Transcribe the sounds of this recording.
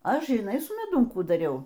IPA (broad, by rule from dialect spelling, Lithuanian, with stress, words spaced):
ˈɐʃ ʒʲɪˈnɐɪ sʊ mʲɛˈdʊm ˈkuː dɐˈrʲɛʊ